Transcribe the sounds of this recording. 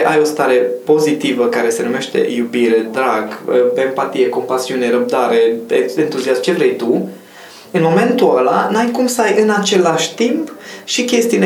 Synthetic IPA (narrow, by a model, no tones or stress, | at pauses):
ʔajo̞st̪aɾe̞po̞zit̪ivəkaɾe̞se̞nume̞ʃt̪e̞̰jubiɾe̞d̪ɾaɡəbe̞mpat̪ije̞ko̞mpasiune̞ɾəb̚d̪aɾe̞eent̪uziasmt͡ʃe̞vɾejt̪u | ɨnmo̞me̞nt̪uala̰najkumst̪ajʔɨnat͡ʃe̞laʃʲt̪impʃikʲe̞st̪iun